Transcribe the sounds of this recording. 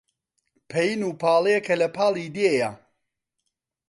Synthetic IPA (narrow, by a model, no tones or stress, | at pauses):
pʰɐjinuːpʰaːlˠeekʰɐlɐpʰaːlˠid̪eja